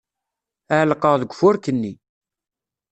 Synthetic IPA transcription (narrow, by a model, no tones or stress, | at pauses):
æʕlqəʁðəɡʷfʊɾkənːi